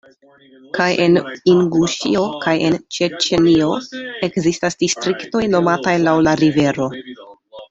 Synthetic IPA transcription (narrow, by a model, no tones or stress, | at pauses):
kajʔe̞niŋɡuʃḭo̞kaje̞nt͡ʃet͡ʃenio̞e̞kzistasd̥istɾikto̞jno̞matajlawlaɾive̞ɾo̞